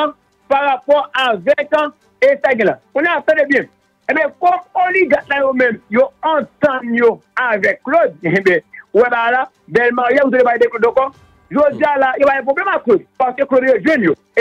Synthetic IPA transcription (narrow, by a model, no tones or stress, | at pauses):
ã | paɾapɔavɛkã | esaɡĩla̰kõniasãdebẽ | ẽbekomoliɡatlãjomẽmjoãtãnjoavɛklodẽbewɛɓaɾa | bɛlmaojauoebajedeklodokɔ | ʒod͡ʒialajoɓajẽp̬ɾoblɛmakozpakeklodejeʒenjo